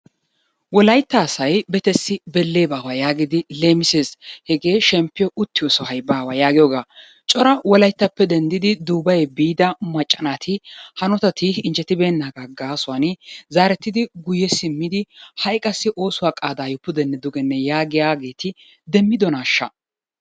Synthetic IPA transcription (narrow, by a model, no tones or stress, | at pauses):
wɔlɐjt̪ːɐːsɐjbɛt̪ɛsːɪbɛlːe̞ːbaːwɐjaːɡɪd̪ɪle̞ːmɪse̞ːshɛɡe̞ːʃɛmpːɪjɔʔʊt̪ːɪjɔsɔhɐjbaːwajaːɡɪjɔːɡaː | t͡ʃʼɔɾɐwɔlɐjt̪ːɐpːɛd̪ɛnd̪ɪd̪ɪd̪uːbɐjɛbiːd̪ɐmɐt͡ʃʼːɐnaːt̪ʰɪhɐnɔt̪ɐt̪ʰɪɪnd͡ʒɛt̪ːɪbeːnːaːɡaɡaːsʊwaːnzaːɾɛt̪ːɪd̪ɪɡʊjːɛsɪmːɪd̪ɪhɐjkʼɐsːɪʔo̞ːsʊwaːkʼaːd̪aːjʊpːʊd̪ɛnːɛd̪ʊɡɛnːɛjaːɡɪjaːɡe̞ːt̪ɪ | d̪ɛmːɪd̪ɔnaːʃːɐ̰